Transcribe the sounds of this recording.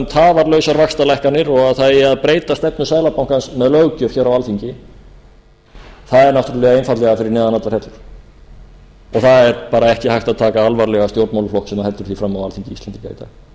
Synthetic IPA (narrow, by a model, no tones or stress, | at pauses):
mt̪ʰaːvaɾlœːɥsaɾvakst̪alajhkanɪɾɔɣaðθaðɛaðpɾeːjt̪ast̪ɛpnʏsaːðjlapawŋ̥kansmɛðlœːwcœfçɛːɾawalθiɲcɪ | θaðɛɾnawft̪ʏɾʏlɛːɣaejnfat̪lɛɣafɪɾɪɾnɛːðanat̪laɾhɛt̪lʏɾ̥ | ɔɣθaðɛɾpaːɾaɛhcɪhajht̪aðt̪ʰaːkaalvaɾlɛɣast̪jowɾt̪mawlʏflɔhksɛmːahɛlt̪ʏɾ̥θifɾamːawalθiɲcɪist̪ant̪ɪca̰ːjt̪a